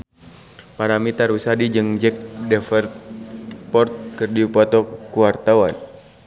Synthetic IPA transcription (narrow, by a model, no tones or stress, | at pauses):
paɾamit̪aɾusadid͡ʒɨŋd͡ʒɛk̚dɛfɛrt̪̚pɔrt̪̚kɨrdiupɔt̪ɔkuwart̪awan